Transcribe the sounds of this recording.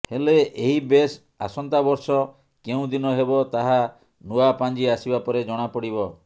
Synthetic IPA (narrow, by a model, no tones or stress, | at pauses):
heleʔeɦibes | a̰sɔnt̪abɔɾsɔ | keũd̪inɔɦebɔt̪aɦa | nuapand͡ʒiasibapɔɾed͡ʒɔɽ̃apɔɽibɔ